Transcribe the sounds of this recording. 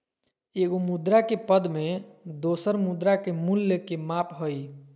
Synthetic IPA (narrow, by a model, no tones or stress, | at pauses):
eɡomud̪ɾakepəd̪med̪osəɾmud̪ɾakemulːəkemapɦoj